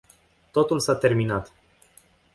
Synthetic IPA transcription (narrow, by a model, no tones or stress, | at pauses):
t̪o̞t̪ulsat̪e̞rminat̪